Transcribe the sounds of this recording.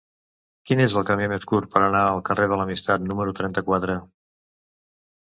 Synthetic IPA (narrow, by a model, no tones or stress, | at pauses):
kinezəlˠkəmimeskuɾpəɾənaəlˠkəreð̞ələmist̪at̪numəɾut̪ɾɛnt̪əkwat̪ɾə